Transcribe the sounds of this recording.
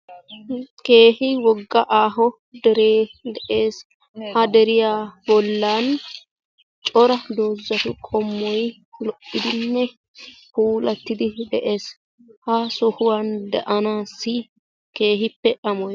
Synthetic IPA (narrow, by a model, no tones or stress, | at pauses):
ke̞ːhɪwɔɡːɐʔaːɦɔ | d̪ɛɾeːd̪ɛʔe̞ːs | hɐd̪ɛɾɪjaːbɔlːaːn | t͡ʃʼɔɾɐd̪oːzːɐt̪ʊkʼɔmːɔj | lɔʔːɪd̪ɪnːɛ | puːlɐt̪ːɪd̪ɪd̪ɛʔe̞ːs | hɐsɔhʊwɐnd̪ɐʔɐnaːsːɪ | ke̞ːɦɪpːɛʔɐmɔj